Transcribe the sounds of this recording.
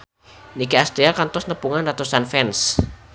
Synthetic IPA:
nikiast̪ɾiakant̪ɔsnəpuŋanrat̪usanfɛns

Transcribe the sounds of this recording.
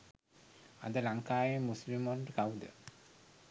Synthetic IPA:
a̰d̪əlaŋkaːjemuslimonɖəkaud̪ə̰

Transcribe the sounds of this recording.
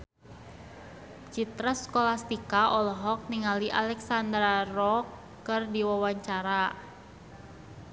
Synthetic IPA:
t͡ʃit̪ɾaskolast̪ikaʔɔlɔɦɔk̚niŋaliʔalɛksand̪ɾarɔkː | ɨrdiwawaɲt͡ʃaɾa

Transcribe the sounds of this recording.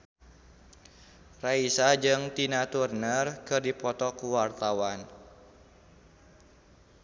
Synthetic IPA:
raisad͡ʒɨŋt̪inat̪urnərkɨrdipɔt̪ɔkuwart̪awan

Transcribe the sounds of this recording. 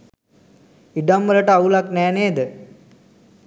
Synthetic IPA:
iɖamʋələʈəaulaknɛːneːd̪ə

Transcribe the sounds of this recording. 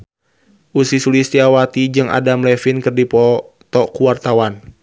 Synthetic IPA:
ʔusisulist̪iawat̪id͡ʒɨŋa̰damlɛfinkɨrdipɔ | t̪ɔkuwart̪awan

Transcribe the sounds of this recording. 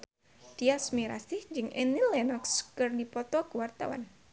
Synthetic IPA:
d̥iasmiɾa̰sihd͡ʒɨŋʔɛnilɛnɔkskɨrdipɔt̪ɔkuwart̪a̰wa̰n

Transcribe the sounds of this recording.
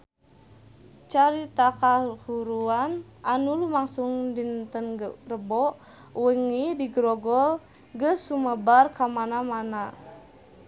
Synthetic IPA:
t͡ʃaɾit̪akahuɾuanʔanulumaŋsuŋdint̪ənrəbɔʔ | wiŋidiɡɾɔɡɔl | ɡəsːuməbarkamanamana

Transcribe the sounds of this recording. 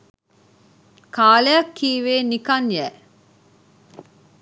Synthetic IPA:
kaːlejɐkːiːʋeːnikɐŋjæ

